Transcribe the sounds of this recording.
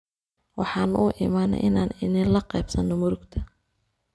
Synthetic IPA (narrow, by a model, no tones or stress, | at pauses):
wɑħɑːnʔuːʔɪmaːnɐ̰jʔɪnaːnɪnɪlɐqɛːbsɐnːɔmʊɾʊɡt̪ʰɐ̥